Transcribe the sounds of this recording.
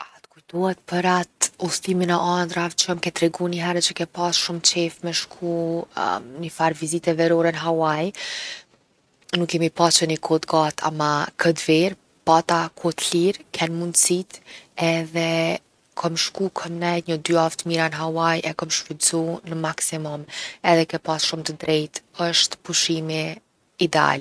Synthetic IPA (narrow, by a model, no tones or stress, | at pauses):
at̪kujt̪ɔhɛt̪̚pəɾat̪ust̪iminɛʔand̪ɾavt͡ʃəmkɛt̪ɾɛɡuniɦɛɾɛt͡ʃəkɛpasʃumt͡ʃɛfmɛʃkʰu | nifaɾvizit̪ɛvɛɾɔɾɛnəɦawaj | nukːɛmipat͡ʃənikʰɔt̪ɡat̪ʰa̰makʰəd̪vɛɾ | pat̪akʰɔt̪liɾkʰɛnmund̪sit̪ɛðɛ | kʰɔmʃkukʰəmnɛjɲəd̪yaft̪miɾanɦawajɛkɔmʃpuzunəmaksimɔmɛðɛkɛpasʃumt̪əd̪ɾɛjt̪əʃt̪puʃimi | id̪ɛa̰l